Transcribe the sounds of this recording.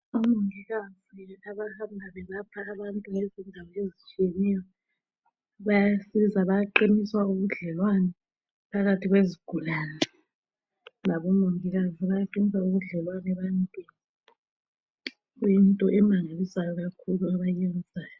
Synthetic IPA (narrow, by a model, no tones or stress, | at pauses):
ɔmoŋiɣaziaβahambʱaβɛβapʰaːβantʼuŋezindʱawɔezit͡ʃʼijenijɔ | βajasiβizaβajaǃiniswauɣuɮɛlwanɛ | pʰaɣatʰiɣweziɡ̥ʱulaːnɛ | naβɔmoŋiɣaziβajaǃinisauɣuɮɛlwanɛβajntʼwin | ɣujintʼɔʔɛmaŋalisajɔɣakʰuluaβajɛnd͡zʱaːjɔ